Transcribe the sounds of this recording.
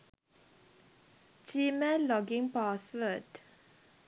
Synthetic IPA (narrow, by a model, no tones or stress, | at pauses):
t͡ʃiməlɔɡɪ̃ŋpasfəd